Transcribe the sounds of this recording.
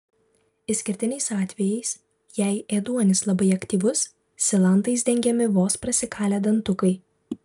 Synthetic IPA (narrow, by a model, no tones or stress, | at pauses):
ɪsʲkʲɪɾʲt̪ʲɪnʲɛɪsɑːt̪ʲʋʲɛjɛɪs | jɛɪeːd̪uɔnʲɪslˠɐbɐɪɐkt̪ʲiːʋʊs | sʲɪlˠɐnt̪ɐɪsd̪ʲɛŋʲɡʲɛmʲɪʋoːspɾɐsʲɪkɑːlʲɛd̪ɐnt̪ʊkɐɪ